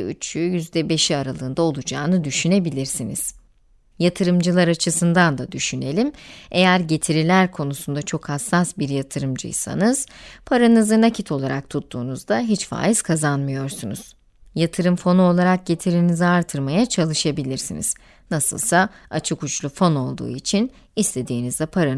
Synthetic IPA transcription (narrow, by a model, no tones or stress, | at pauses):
y̰t͡ʃʰyjyzd̪ɛbe̞ʃiaɾalˠɯːnd̪ao̞lˠud͡ʒaːnɯd̪yʃyne̞bilʲiɾsinḭz̥ | jat̪ʰɯɾɯmd͡ʒɯlˠaɾat͡ʃʰɯsɯnd̪and̪ad̪yʃyne̞lʲime̞jæɾɟe̞t̪ʰiɾilʲæɾkʰo̞nusund̪at͡ʃʰokhasːasbiɾjat̪ʰɯɾɯmd͡ʒɯ̰jsa̰nɯz̥pʰaɾanɯzɯnacʰit̪ʰo̞lˠaɾak̚t̪ʰut̪ʰːuːnuzd̪aɦit͡ʃfa̰ːjiz̥kʰazanmɯjo̞ɾsunuz̥ | jat̪ʰɯɾɯmfo̞nuo̞lˠaɾak̚ɟe̞t̪ʰiɾiniziaɾt̪ʰɯɾmajat͡ʃʰalˠɯʃabilʲiɾsḭnḭz̥ | nasɯ̰lˠsaat͡ʃʰɯkut͡ʃlˠufo̞no̞lˠd̪ṵːit͡ʃʰin | ist̪ʰe̞d̪iːnizd̪ɛpʰaɾa